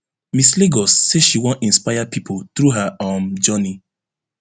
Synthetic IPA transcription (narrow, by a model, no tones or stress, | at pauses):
misleɡɔsːeʃiwɔ̃nĩnspaɪapipʰolt̪ɾuɦaɔ̃md͡ʒɔni